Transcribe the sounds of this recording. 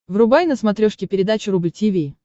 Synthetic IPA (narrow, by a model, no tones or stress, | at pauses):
vrʊbajnəsmɐt̪ɾʲoʂkʲɪpʲɪɾʲɪd̪at͡ɕʊɾublʲtʲivʲi